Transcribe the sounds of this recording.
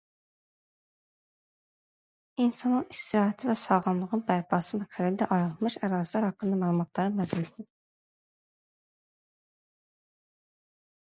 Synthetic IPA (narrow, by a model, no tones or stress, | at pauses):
insɑnɯnist̪iɾɑːɦɛt̪ʰivɛsɑʁɑmlˠɯʁɯnbæɾpʰɑsɯmɛksɛd̪id̪ɛʔɑjɾɯlˠmɯʃæɾɑːzlˠæɾhɑqːɯnd̪ɑmæːlˠumɑt̪ʰlˠɑɾɯmæzulet̪i